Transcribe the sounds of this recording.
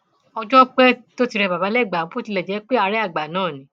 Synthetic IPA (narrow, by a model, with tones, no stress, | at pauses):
ɔ˧d͡ʒɔ˦k͡pɛ˦to˦ti˦˧ɾɛ˧˨ba˨ba˨˦lɛ˦˨ɡ͡bã˨˦po˦ti˧lɛ˨d͡ʒɛ˨˦k͡pe˦a˧ɾɛ˦a˦˨ɡ͡ba˨nãː˦˨nĩ˨˦